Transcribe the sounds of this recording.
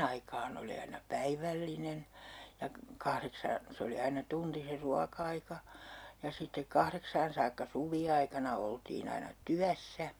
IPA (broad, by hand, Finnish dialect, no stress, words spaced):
ɑikɑːn oli ɑinɑ pæiʋælːinen jɑ kɑhreksɑːn se oli ɑinɑ tunti se ruɑkɑikɑ jɑ sitːek kɑhreksɑːn sɑːkːɑ suʋiɑikɑnɑ oltiːn ɑinɑ tyæsːæ